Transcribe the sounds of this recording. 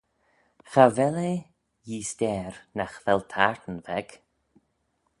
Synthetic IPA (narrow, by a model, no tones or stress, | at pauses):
xavɛle | jiːst̪ɛːɾnaxðɛlt̪ʰaɹt̪ən̩vɛɡ̥